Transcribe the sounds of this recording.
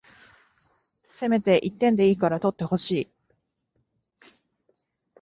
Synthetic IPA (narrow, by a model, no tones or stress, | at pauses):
se̞me̞t̪e̞ʔit̪ːẽ̞nd̪e̞iːkaɾat̪o̞t̪ːe̞ho̞ɕiː